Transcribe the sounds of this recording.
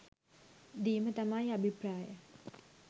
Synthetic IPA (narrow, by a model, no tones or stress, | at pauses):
d̪iːmət̪amajabʱipɾaːjə